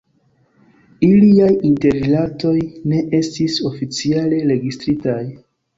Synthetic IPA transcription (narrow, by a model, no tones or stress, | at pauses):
iliajinte̞ɾilato̞jne̞ʔe̞stiso̞fit͡siale̞ɾe̞ɡistɾitaj